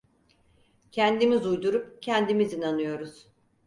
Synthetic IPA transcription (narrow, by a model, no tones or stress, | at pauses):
cʰɛnd̪imizujd̪uɾupcʰɛnd̪imizinanɯjo̞ɾuz̥